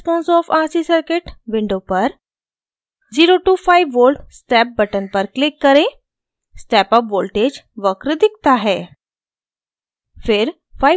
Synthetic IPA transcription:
spõːnsɔːfʰaːsisəɾkɪʈʋɪ̃ɳɖopɐɾ | ziːɾoʈuːpʰaːɪʋʋoːlʈsʈɛːp̚bɐʈənpɐɾklɪkːɐɾẽ | sʈɛːpəpʋoːlʈeːd͡ʒʋəkɾd̪ɪk̚t̪aɦɛː | fʰɪɾ | pʰaːi

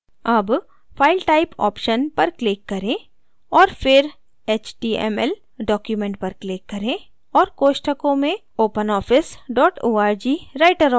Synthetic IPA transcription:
ɐb | fʰaːɪlʈaːɪpɔ̰ːpʃənpɐɾklɪkːɐɾẽ | ɔːɾfɪɾ | eːt͡ʃʈiːɛ̰mɛl | ɖɔːkjumẽɳʈ̚pɐɾklɪkːɐɾẽ | ɔːɾkoːʃʈəkõmẽ | oːpənɔːfʰɪsɖɔːʈʰoːaːɾd͡ʒiːɾaːɪʈəɾ

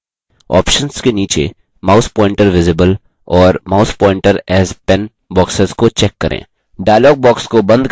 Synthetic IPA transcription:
ɔ̰ːpʃənskeniːt͡ʃḛ | maːʊspɔ̃ːɪ̃ɳʈəɾʋɪzɪbəl | ɔːɾmaːʊspɔːɪ̃ɳʈəɾɛːzpɛn | bɔːksəzkot͡ʃɛkːɐɾʔḛ̃ː | ɖaːɪlɔːɡ̚bɔːkskobɐ̃nd̪

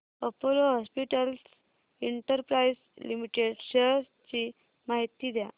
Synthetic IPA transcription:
əpoloɦɔspiʈəls | iɳʈəɾpɾais | limiʈeɖɕe | t͡ɕi | maɦit̪iːd̪ja̰

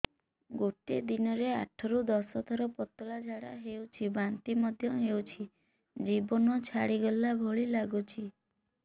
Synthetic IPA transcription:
ɡoʈed̪inɔɾeaʈʰɔɾud̪ɔsɔt̪ʰɔɾɔpɔt̪ɔlad͡ʒʱaɽa̰ɦewt͡ʃʰibant̪imɔd̪ʱjɔɦewt͡ʃʰi | d͡ʒibɔnɔt͡ʃʰaɽiɡɔlːabʱɔɭilaɡut͡ʃʰi

